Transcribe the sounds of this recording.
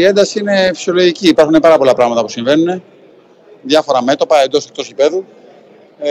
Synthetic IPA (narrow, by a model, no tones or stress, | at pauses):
ie̞nd̪ɐsiine̞fi̥sio̞lo̞ʝiciːpɐɾxune̞pɐɾɐpo̞lɐpɾɐɣmɐt̪ɐpusiɱve̞nune̞ | ðʝɐfo̞ɾɐme̞t̪o̞pɐe̞nd̪o̞sek̚t̪o̞sipe̞ðu